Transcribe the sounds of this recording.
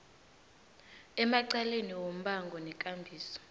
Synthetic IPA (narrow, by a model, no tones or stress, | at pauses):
ɛmaǀaleniwom̩ɓaŋɡʱɔnɛkʼambʱiːsɔ̥